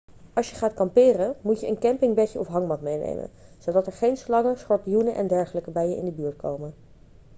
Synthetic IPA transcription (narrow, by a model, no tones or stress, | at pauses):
ɑlˠsjəχaːtkɑmpɪːrəmucjəənkɛmpɪŋbɛcəʔɔfɦɑŋmɑtmejnḛjmə̰nz̥odɑtɛɹχejnslɑŋəsχɔɹtijunəʔɛ̰ndɛɹχələkəbɛjəʔɪ̰ndəbyːɹtkowmən